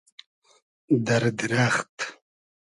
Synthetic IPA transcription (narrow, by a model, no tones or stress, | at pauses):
d̪aɾd̪ɾaχt̪